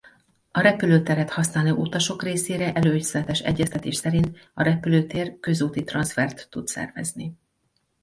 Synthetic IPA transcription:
ɒɾɛpyløːt̪ɛɾɛt̪hɒsnaːløːʔut̪ɒʃo̞kreːseːɾɛʔɛløːɟzlɛt̪ɛʃɛ̰ɟːɛst̪ɛt̪eːʃsɛɾint̪ɒɾɛpyløːt̪eːrkø̞zuːt̪it̪rɒnsfɛrt̪ːut̪sɛ̰rvɛ̰zni

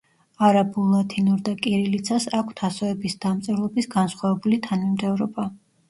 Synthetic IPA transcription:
aɾabulˠat̪ʰinuɾd̪akʼiɾilit̪sʰasakʷʰt̪ʰasɔɛbisd̪̥amt̪sʼɛɾlˠɔbisɡansχwavɛbulit̪ʰanmimt̪ʰɛvɾɔba

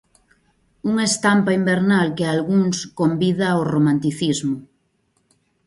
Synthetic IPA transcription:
uŋest̪ampaimbeɾnalkealɣuŋskombiðaoromãnt̪iθizmo

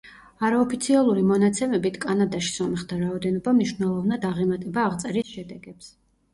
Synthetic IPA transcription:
aɾaɔpʰit̪sʰialˠuɾimɔnat̪sʰɛmɛbit̪ʰkʼanad̪aʃi̥sɔmɛχd̪ʰaɾaɔd̪ɛnɔbamniʃwnɛlˠɔvnad̪aʁɛmat̪ʼɛbaːʁt̪sʼɛɾisʃɛd̪ɛɡɛps

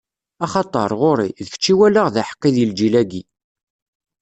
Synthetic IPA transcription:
ɑχɑt̪ˤəɾˤʁoɾiðəft͡ʃːiwælaʁðæħə̥qːiðild͡ʒilæɡi

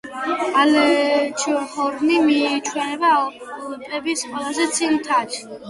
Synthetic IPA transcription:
alɛt͡ʃʰihɔɾnimit͡ʃʰwɛnɛbaɔ | pʼɛbisqʼwɛlazɛt̪sʰilit̪ʰat͡ʃʰ

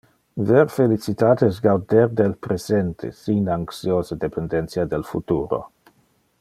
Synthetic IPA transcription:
veɾfelit͡sit̪aːt̪esɡawd̪eɾd̪elpɾesent̪ʰḛsinaŋksjoːzed̪epend̪ent̪siad̪elfut̪uːɾo̰

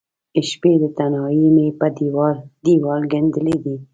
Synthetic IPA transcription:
ɪʃped̪ət̪anɑjimepad̪iwɾd̪iwɑlɡend̪əled̪i

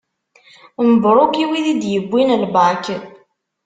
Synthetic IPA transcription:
məbɾˤʊkiwiðid̪jəbʷːinəlbakən

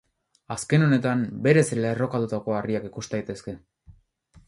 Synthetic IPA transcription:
aske̞no̞ne̞t̪ambe̞ɾe̞sle̞ro̞kat̪ut̪ako̞ariakikust̪ajt̪e̞ske̞

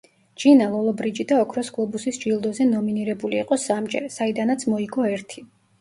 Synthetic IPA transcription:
d͡ʒinalˠɔlˠɔbɾid͡ʒid̪aɔkʰɾɔsɡlˠɔbusisd͡ʒilˠd̪ɔzɛnɔminiɾɛbuliːqʼɔsamd͡ʒɛ̰ɾsaid̪anat̪sʰmɔiɡɔɛɾt̪ʰi

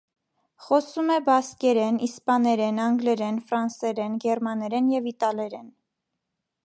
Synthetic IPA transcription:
χɔsumɛbɑskɛɾɛnispɑnɛɾɛnɑŋɡlɛɾɛnfɾɑnsɛɾɛnɡɛɾmɑnɛɾɛnjɛvit̪ɑlɛɾɛn

